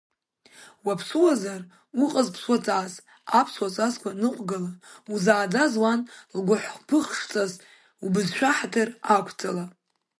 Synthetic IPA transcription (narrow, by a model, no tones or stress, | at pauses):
wapʰsuwazar | uqʼəzpʰswat͡sʼaːz | apʰswat͡sʼazkʷʰanɨqʷʼɡalauzaːd͡zazwanlɡʷʊħʷpʰɨχʂt͡sʼaz | ubɨzʃᶣaħatʰɨrakʷʰt͡sʼala